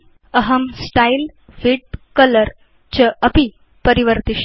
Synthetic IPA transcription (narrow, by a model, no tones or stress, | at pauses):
əɦəmsʈail | ʋiʈ̚kələɾ | t͡ɕəəpi | pəɾiʋəɾt̪iʃ